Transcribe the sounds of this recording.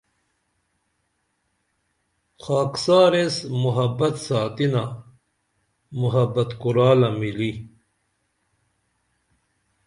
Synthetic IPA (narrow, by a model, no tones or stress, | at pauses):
xaːksaːɾesmuɦɐbɐt̪saːt̪ina | muɦɐbɐt̪kuɾaːlɐmili